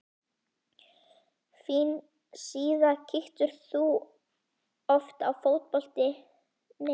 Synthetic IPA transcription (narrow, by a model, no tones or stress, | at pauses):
fin | siːðacʰɪxt̪ʏɾ̥θu | ɔft̪awfowt̪̚pɔl̥t̪ɪ | ne